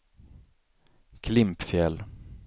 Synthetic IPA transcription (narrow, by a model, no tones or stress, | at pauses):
kʰlɪmpfjɛlː